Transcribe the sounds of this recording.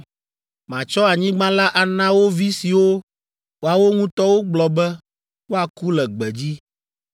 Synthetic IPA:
mã˨t͡ʃɔ˦a˨ɲĩ˦ɡ͡bã˦la˦ʔa˨nã˦wo˦vi˦si˨wo˦ | wo˨a˨wo˦ŋũ˦t̪ɔ˦wo˦ɡ͡blɔ˨bɛ˦ | wo˦a˨ku˦lɛ˨ɡ͡bɛ˨d͡ʑi˦

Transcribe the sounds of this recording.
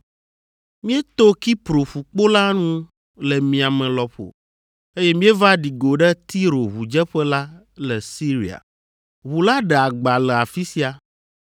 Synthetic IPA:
mĩ˦ɛ˦t̪o˦ki˦pɾo˨ɸu˨k͡po˦la˦nũ˦ | lɛ˨mĩ˨a˨mɛ̃˨lɔ˨ɸo̰˨ | e˦jɛ˦mĩ˦e˦va˦ɖi˨ɡo˨ɖɛ˦t̪i˦ɾo˨βu˨d͡ʒɛ˦ɸɛ˦la˦ | lɛ˨si˦ɾi˨a̰˨ | wu˨la˦ɖɛ˨a˨ɡ͡ba˨lɛ˨a˨fi˦si˦a˨

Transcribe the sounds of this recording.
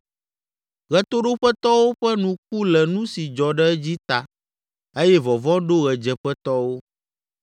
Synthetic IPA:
ɣɛ˨t̪o˦ɖo˦ɸɛ˦t̪ɔ˦wo˦ɸɛ˦nũ˨k̚u˦lɛ˨nũ˦si˨d͡ʒɔ˨ɖɛ˦d͡ʑi˦t̪a˨ | e˦jɛ˦vɔ˨vɔ̃˦ɖo˦ɣɛ˨d͡ʒɛ˨ɸɛ˦t̪ɔ˦wo˦

